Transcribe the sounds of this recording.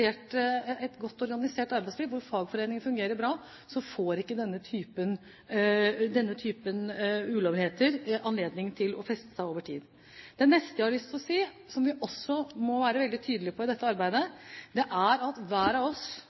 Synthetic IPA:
eːʈɛt̪ɡɔt̪ːɔɾɡɑnɪseːʈɑɾbæɪslɪːʋʋʊɾfɑːɡfɔɾeːnɪŋəfʉŋɡeːɾəɾbɾɑː | sɔfoːɾɪkːəd̪ɛnːət̪ʰyːpən | d̪ɛnːət̪ʰyːpənʉːlɔʋheːt̪əɾɑnleːd̪nɪŋt̪ʰɪlɔ̰fɛst̪ə̥sæɪoːʋəʈʰḭːd̪ | d̪̥ɛnːɛst̪əjæhɑɭʏst̪ɔsiː | sɔmʋɪʔɔsːɔmɔʋæːɾəʋɛld̪ɪt̪ʰyːd̪əlɪpʰɔɪd̪ɛt̪ːəɑɾbæɪd̪əd̪ɛʔæɾɑt̪ʋæːɾɑʋɔs

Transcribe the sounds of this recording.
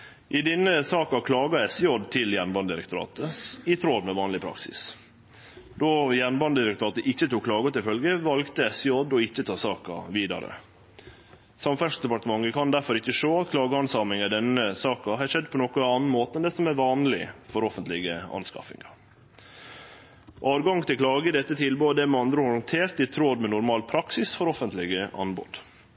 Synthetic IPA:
ʔɪd̪ɪnːəsɑːkɑkʰlɑːɡɑɛsjɔd̪t̪ʰɪljænbɑnd̪d̪ɪɾəkt̪ʊɾɑ̰ːt̪əɪt̪ʰɾod̪mɛʋɑːnlɪpʰɾɑ̰ksɪ̰s | d̪ɔjænbɑnd̪d̪ɪɾəkt̪ʰʊɾɑːt̪əʔɪçːət̪uːkʰːlɑːɡɔt̪ɪfœlɡəʋɑlɡt̪əɛsɪjɔd̪ɔɪçːət̪ʰɑːsɑːkɑ̰ʋiːd̪ɑ̰ɾə̰ | sɑmfæʂd̪ɛpɑʈt̪əmɑŋːəkʰɑnd̪æɾfɔɾɪçːəʂoːɑt̪kʰlɑːɡəɑnsɑːmɪŋæɖ̪ɛnːəsɑːkɑɦɑʂɛd̪ːpʰɔnɔkɔɑːnn̩moːt̪əɛnd̪ɛsɔmæʋɑːnlɪ̰fɔɾɔfənt̪lɪɡəɑ̰nskɑ̰fɪ̰ŋɑ | ʔɑːʋɡɑŋt̪ʰɪlkʰlɑːɡəd̪ɛt̪ːət̪ʰɪlboːd̪ɛmɛɑnd̪ɾəhʊɾənt̪ʰeːɾt̪ɪt̪ʰɾoːd̪mɛnʊɾmɑːlpʰɾɑksɪsfɔɾɔfənt̪lɪɡəʔɑ̰nbɔ̰d̪

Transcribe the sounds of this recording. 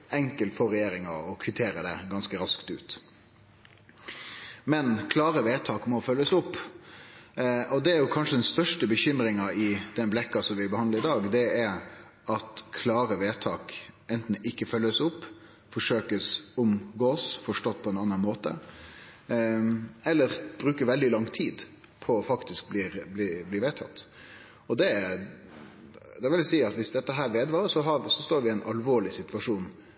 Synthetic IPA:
ɛŋkəlt̪fɔɾɛjeːɾɪŋə̰ɔkʰʋɪt̪ʰeːɾəd̪ɛ̰ɡɑnskəɾɑskt̪ʉ̰ːt̪ | mɛnkʰlɑːɾəʋeːt̪ʰɑːkmɔfœlːəsʊpː | ʔɔd̪ɛæɾjʊkʰɑnʂəd̪ɛnst̪œʂʈəbəçʏmɾɪŋɑɪd̪̥ɛnblɛkːɑsɔmʋɪbəhɑnd̪əɾɪd̪ɑːɡd̪ɛɛɾ | ɑt̪kʰlɑːɾəʋeːt̪ʰɑːkɛnt̪n̩ɪkːəfœlːəsʊpː | fɔʂøːkəsʊmɡoːsfɔʂʈoːt̪̚ːpʰɔɛnɑnːɑnmoːt̪ə̰ | ɛlːəɾb̥ɾʉːkəɾʋɛld̪ɪlɑŋt̪ʰiːd̪ | pʰɔːfɑkt̪ɪsk̚bliːɾblibliːʋeːt̪ʰɑt̪ː | ɔd̪ɛ | d̪ɛʋɪlsiːɑt̪ʋɪsd̪ɛt̪ːəɦæːɾʋeːd̪ʋɑːɾsɔɦɑsɔst̪oːɾʋɪæɛɪnʔɑlʋoːɭɪsɪt̪ʋɑʂuːn

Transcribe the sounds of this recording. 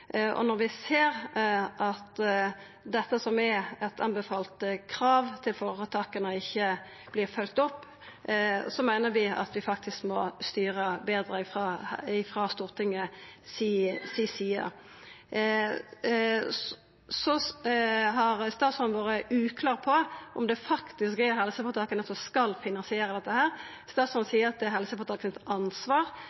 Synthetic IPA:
ɔ̰nɔɾʋɪseːʁʔɑt̪ | d̪ɛt̪ːəsɔmɛɛt̪ʰɑ̰nbɛfɑːlt̪kʰɾɑːʋt̪ʰɪlfoʁɑt̪ʰɑkːənəɪçːə | b̥lɪʁfœlk̚t̪ɔpː | sɔmæɪnəɾʋɪɑ̰t̪ʰʋɪfɑk̚t̪ʰɪskmɔst̪yːʁəbeːd̪ɾəɪfʁɑɪfʁɑst̪uːʁt̪ʰɪŋəsiːsiːsiːə̰ | sɔ | ɦɑʁst̪ɑːt̪sɔnʋoːɾəʔʉːkʰlɑːʁpʰɔʔɔ̰md̪ɛfɑkt̪ɪskɛɦɛlsəpɔt̪ʰɑːkːənɛt̪ɔskɑlfɪnɑnsɪeːɾəd̪ɛt̪ːəhæːʁ | st̪ɑːt̪smɔnsiːəɾɑt̪̚d̪ɛɦɛlsəpɔt̪ʰɑːkənət̪ɑnsʋɑːʁ

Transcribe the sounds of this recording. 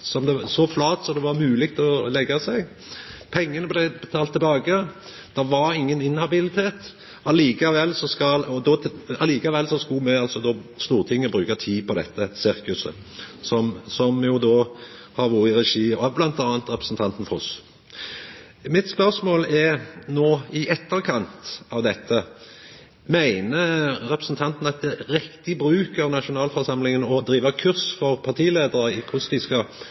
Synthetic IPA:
sɔmd̪ɛsɔflɑːt̪sɔd̪ɛʋɑɾmʉːlɪɡt̪ʰɔlɛɡːɑsɛɡ | pʰɛŋːənəblɛɪbɛt̪ʰɑːlt̪ʰːɪbɑːɡə | d̪̥ɛʋɑɾɪŋːənɪnhɑbɪlɪt̪ʰeːt̪ | ɑliːkɑʋɛlːsɔskɑlɔd̪ɔɑliːkɑʋɛlːsɔskʉlmɛɑlsɔd̪oːst̪uːʁt̪ʰɪŋːəbɾʉːkɑt̪ʰiːpʰɔd̪ɛ̰t̪ːəsɪɾkʉsə̰ | sɔmsɔmjʊd̪oː | hɑʁʋuːɾəɪʁɛʂiːəblɑnt̪ɑːnt̪ʁɛpɾʁəsnt̪ʰɑnt̪n̩fɔʁɔs | mɪt̪spœʁsmoːlɛnoːɪʔɛt̪ːəɾkʰɑnt̪ɑʋd̪ɛt̪ʰːə | mæɪnəɾɛpɾəsn̩t̪ʰɑnt̪n̩ɑt̪̚d̪ɛɾɪkt̪ɪbɾʉːkəɾnɑʂʊnɑːlfɔʁsɑmlɪŋənɔd̪ɾiːʋəkʰʉɾsfɔʁpʰɑʁt̪ʰiːleːd̪əɾəɪkʰʊsd̪ɪskɑ

